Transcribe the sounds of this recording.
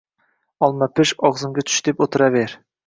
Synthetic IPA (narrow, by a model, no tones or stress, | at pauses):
ɑlˠmɑpʰɪʃɑʁzɨmɡʲɛt͡ʃ̪ʰy̥ʃd̪ɪpot̪ʰɨɾɑveɾ